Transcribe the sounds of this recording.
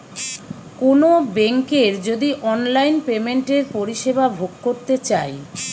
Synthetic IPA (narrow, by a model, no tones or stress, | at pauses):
konobeŋkeɾd͡ʑod̪iʔɔnlajnpemeɳʈeɾpoɾiʃebabʱoɡkoɾt̪et͡ɕae